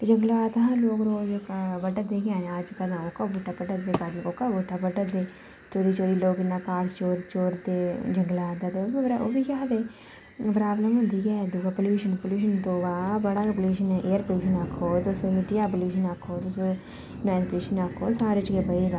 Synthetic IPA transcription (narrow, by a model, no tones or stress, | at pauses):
t̪ed͡ʒəŋɡlʋaːt̪ãloːkɾoːd͡ʒokbəɖət̪d̪eːkjãːneaːd͡ʒkəd̪ãːoːkabuʈːaːpəʈət̪d̪eːkad̪nkoːkaːbʊʈːaːpəɖəd̪eː | t͡ʃoːɾiːt͡ʃoːɾiːloːɡɪnːaːkaːɽst͡ʃoːɾt͡ʃoːɾd̪eːd͡ʒəŋɡlaːd̪aːt̪ebɾo̰ːbiːkaːd̪eː | pɾaːbləmɦʊ̃nd̪iːkɛːd̪uːkapəljuːʃənpoljuːʃ̬ənt̪oːbaːbəɽaːpəluːʃənɛʔeːəɾpəljuːʃənakʰːoːt̪osemɪʈijaːp̬əljuːʃənakʰːoːt̪ose | nãːspəluːʃənakʰːoːsaːɾet͡ʃkebəiɡ̪aː